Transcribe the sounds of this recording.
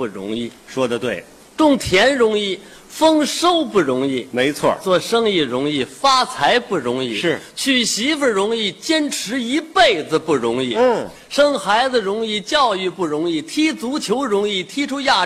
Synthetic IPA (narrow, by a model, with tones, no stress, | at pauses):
pu˥˩ɻʊ̰˧˥ŋi˥˩ʂwɔ˥d̪ə˨t̪we˥˩ɪ | ʈ͡ʂʊ˥˩ŋt̪ʰjɛ˧˥nɻʊ˧˥ŋi˥˩ | fɤ˥ŋʂo˥ʊpu˥˩ɻʊ˧˥ŋi˥˩me˧˥ɪt͡sʰwɔ̰˥˩t͡swɔ˥˩ʂɤ˥ŋi˥˩ɻʊ˧˥ŋi˥˩fa˥t͡sʰa˧˥ɪpu˥˩ɻʊ˧˥ŋi˥˩ʂɻ̩˥˩t͡ɕʰy˥˩ɕi˧˥fə˧˩ɻʊ˧˥ŋi˥˩t͡ɕjɛ˥nʈ͡ʂʰɻ̩˧˥i˧˥pe˥˩ɪd͡z̩˩pu˥˩ɻʊ˧˥ŋi˥˩˥ | ʂɤ˥ŋxa˧˥ɪd͡zə˧ɻʊ˧˥ŋi˥˩t͡ɕjɑ˥˧ʊy˥˧pu˥˩ɻʊ˧˥ŋi˥˩t̪ʰi˥t͡su˧˥t͡ɕʰjo˧˥ʊɻʊ˧˥ŋi˥˩t̪ʰi˥ʈ͡ʂʰu˥ja˥˩